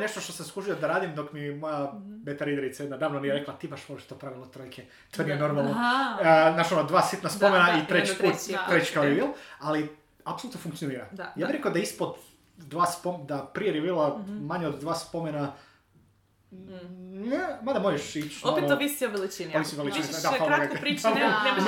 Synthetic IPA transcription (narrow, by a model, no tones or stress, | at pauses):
ne̞ʃt̪oʃt̪osamskuʒiod̪aɾaːd̪imd̪o̞kmimojabet̪eɾid̪eɾit̪sajed̪nad̪aːʋnonijeɾeklat̪ibaʃopʃt̪e̥t̪opɾaʋilˠat̪ɾojkʰe | t̪oːnijeno̞ɾmalˠno | nat͡ʃonod̪ʋaːsit̪naspomenait̪ɾet͡ʃp̪ɾuːt̪ːɾet͡ʃkaoɾiʋilˠali | apsolut̪nofuŋkt̪sijoniːɾa̰d̪ajaːbiɾekod̪aispod̪ | d̪ʋaːspod̪apɾijeɾjebiːlˠamaɲeod̪d̪ʋaːspomena | nemad̪amojeʃit͡ʃoooʋist̪ioʋelit͡ʃinimisioʋelit͡ʃinid̪aaoaɡaɾiaz